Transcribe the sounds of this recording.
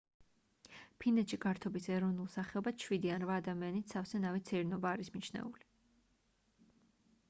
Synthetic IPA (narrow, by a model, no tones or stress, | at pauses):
pʰinɛt̪ʃiɡaɾt̪ʰɔbisɛɾɔvnulˠsaχɛɔbad̪ʃwid̪ianɾvaːd̪amianit̪safsɛnavɛt̪sʰɛɾnɔbaːɾismit͡ʃʰnɛ̰uli